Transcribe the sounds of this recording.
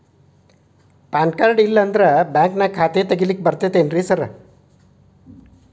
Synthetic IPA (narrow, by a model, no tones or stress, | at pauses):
paːnkaːɾɖilːɐːnd̪ɐɾɐbaːŋknɐkʰaːt̪et̪ɐɡilik̚bɐɾt̪eːt̪enɾisɐɾɐ